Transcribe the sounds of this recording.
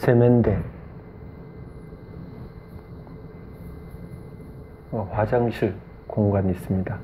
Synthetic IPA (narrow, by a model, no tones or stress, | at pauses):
sʰemʌnde | ʌɸad͡ʑaŋɕʰi | koŋɡwanis͈ɯmɲida